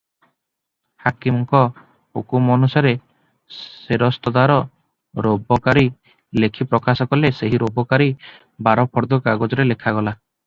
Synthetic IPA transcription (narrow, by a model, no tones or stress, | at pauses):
hakimɔŋkɔ | hukumɔnusaɾe | eɾɔst̪ɔd̪aɾɔ | ɾobɔkaɾi | lekʰipɾɔkasɔkɔleseɦiɾobɔkaɾi | baɾɔpʰɔɾd̪ɔkaɡɔd͡ʒɔɾelekʰaɡɔla